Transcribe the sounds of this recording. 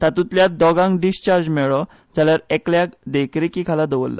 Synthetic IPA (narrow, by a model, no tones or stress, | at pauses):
t̪at̪ut̪ljat̪̚d̪ɔɡãŋɡɖist͡ɕaɾd͡zmɛɭɔ | d͡zaljaɾɛkljakd̪ekɾekikʰalad̪əʋə̰lːa̰